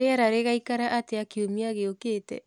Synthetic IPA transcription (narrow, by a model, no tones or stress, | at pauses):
eaɾaɾeɣaikaɾaʔateakiomiaɣeokeːtɛ̰